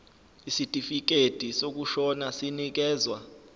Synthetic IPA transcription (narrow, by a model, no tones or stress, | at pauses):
isitʼifik̬ed̥ʱisok̬uʃɔnasinik̬ɛːzwa